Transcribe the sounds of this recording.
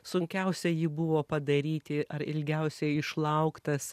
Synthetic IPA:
sʊŋʲkʲɛʊsʲɛjɪːbʊʋoːpɐd̪ɐɾʲiːt̪ʲɪʔɐɾɪ̰lʲɡʲɛʊsʲɛɪʃlˠɐʊkt̪ɐs

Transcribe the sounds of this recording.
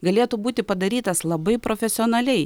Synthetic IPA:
ɡɐlʲeːt̪uːbuːt̪ʲɪpɐd̪ɐɾʲiːt̪ɐslˠɐbɐɪpɾoːfʲɛsʲɪoːnɐlʲɛɪ

